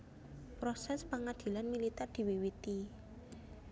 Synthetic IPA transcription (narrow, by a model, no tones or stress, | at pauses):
pɾosɛspaŋad̪̥i̤lanmilit̪ɛrd̪̥i̤wiwit̪i